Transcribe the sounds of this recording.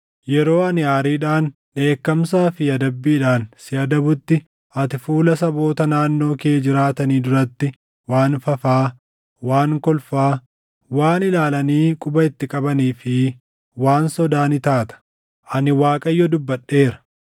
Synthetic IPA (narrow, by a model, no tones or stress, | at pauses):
jɛɾo̞ːɐnɪaːɾiːᶑaːn | ᶑe̞ːkːɐmsaːfɪɐd̪ɐbːiːᶑaːnsɪɐd̪ɐbʊt̪ːɪ | ʔɐt̪ɪfuːlɐsɐbo̞ːt̪ɐnaːnːo̞ːkeːd͡ʒɪɾaːt̪ɐniːd̪ʊɾɐt̪ːɪ | waːnfɐfaː | waːŋkɔlfaː | waːnɪlaːlɐniːkʼʊbɐɪt̪ːɪkʼɐbɐniːfɪ | waːnsɔd̪aːnɪt̪aːt̪ɐ̥ | ʔɐnɪwaːkʼɐjːɔd̪ʊbːɐᶑːe̞ːɾɐ̥